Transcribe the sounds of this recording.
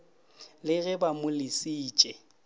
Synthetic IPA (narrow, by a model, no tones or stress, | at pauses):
lɪɣɪbamʊlɪsiːt͡ʃʼɛ